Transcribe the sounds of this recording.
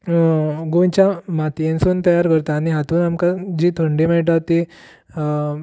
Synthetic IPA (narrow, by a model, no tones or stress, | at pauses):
ɡojt͡ɕjamat̪ijẽnsuːnt̪əjaɾkəɾt̪aːɽ̃iɦat̪uːnamkad͡ʑiːt̪ʰəɳɖiːmajʈ̬at̪i